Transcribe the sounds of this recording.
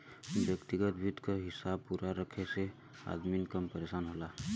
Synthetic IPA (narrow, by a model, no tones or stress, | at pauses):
bjəkt̪iɡət̪̚bʱʊd̪kaɦɪsab̚puɾaɾəkʰese | a̰ːd̪minkəmpəɾeːsaːnɦoːlaː